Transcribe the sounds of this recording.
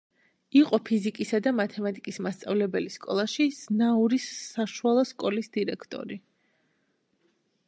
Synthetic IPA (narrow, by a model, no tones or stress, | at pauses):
iqʼɔpʰizikʼisad̪amat̪ʰɛmat̪ʼikʼismast̪sʼa̰vlɛbɛliskʼɔ̰lˠaʃiz̥nauɾisaʃualˠɔskʼɔlisd̪iɾɛkʰt̪ʼɔ̰ɾi